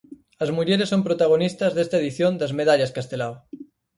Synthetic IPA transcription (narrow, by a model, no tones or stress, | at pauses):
ɐzmuʎeɾesːompɾot̪aɣ̞onist̪ɐzðest̪aeðiθjond̪ɐzmeðaʎaskast̪elaw